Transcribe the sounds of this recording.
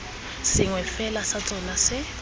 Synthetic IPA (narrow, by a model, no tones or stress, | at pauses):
sɪŋwɛfɛlasat͡sʼɔnasɪ